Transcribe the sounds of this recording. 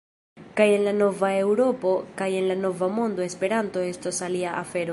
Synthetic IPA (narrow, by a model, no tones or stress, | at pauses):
kaje̞nlano̞vae̞wɾo̞po̞kaje̞nlano̞vamo̞ndoe̞spe̞ɾanto̞e̞stosaliaʔafe̞ɾo